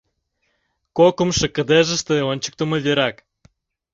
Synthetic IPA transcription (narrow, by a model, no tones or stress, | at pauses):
kokə̆mʃə̆kə̆d̪eʒə̆ʃt̪ĕonʲt͡ɕə̥̆k̚t̪omə̆vʲeɾɑk